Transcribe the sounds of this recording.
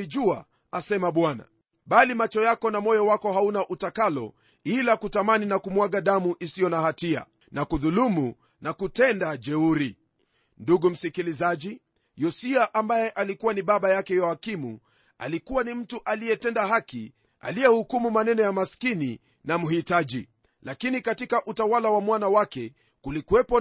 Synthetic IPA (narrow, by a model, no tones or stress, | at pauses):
iʄua | asɛmaɓwana̰ | ɓalimat͡ʃɔjakɔnamɔjɔwakɔhaunaʔutakalɔ̰ | ilakutamaninakumwaɡaɗamuʔisijɔnahatia̰ | nakuðulumu | nakutɛndad͡ʒɛuɾi | nduɡum̩sikilizaʄi | jɔsiaʔambajɛʔalikuwaniɓaɓajakɛjɔakimṵ | a̰likuwanim̩tuʔaliɛtɛndahaki | a̰lijɛhukumumanɛnɔjamaskini | namuhitaʄi | lakinikatikaʔutawalawamwanawakɛ | kulikuwɛpɔ